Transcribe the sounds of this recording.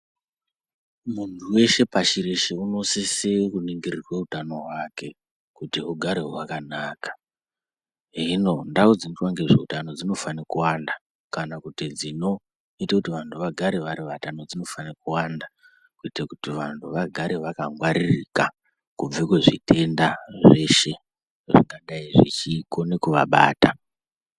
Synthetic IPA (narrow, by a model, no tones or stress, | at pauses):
muntʰuwe̞ʃe̞paʃiɾeʃeuno̞sisekuniŋɡirirwe̞utano̞ɦwake̞ | kutiɦuɡʱaɾeɦowakanaːkḁ | ɦino̞ndaud͡zinotwaŋɡe̞ʐeutano̞d͡zino̞fanekuwanda | kanakutid͡zino̞ | itakutiʋantʰuʋaɡʱaɾeʋaɾiʋatano̞d͡zino̞fanekuwanda | kuitakutiʋantʰuʋaɡʱaɾeʋakaŋɡwaɾirika | kub͡vekweʐḭtʰe̞ndaʐe̞ʃe̞ | ʐiŋɡaɗaiʐḭt͡ʃiko̞ne̞kuʋa̰ɓa̰ːta